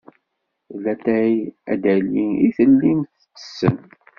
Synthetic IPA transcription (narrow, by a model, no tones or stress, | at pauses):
læt̪æjæd̪æliiθəlːimθt͡sːə̥sːə̰n